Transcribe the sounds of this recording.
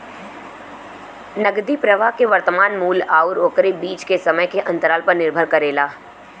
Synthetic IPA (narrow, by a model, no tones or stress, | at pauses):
nɐɡd̪ipɾɐʋaːkeʋɐɾt̪əmaːnmuːlaːʊɾoːkɾebiːt͡ʃkesɐməjkeʔɐ̃nt̪əɾaːlpəɾnɪɾbʱəɾkɐɾeːlaː